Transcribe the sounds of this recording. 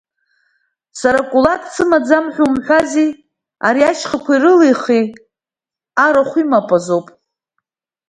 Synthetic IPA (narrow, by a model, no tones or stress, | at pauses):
saɾakʷʼuladʰt͡sʰɨmad͡zamħʷᶣumħʷᶣazi | aɾiaʃχakʷʰaiɾɨlejχi | aɾaχʷimapʼazowpʼ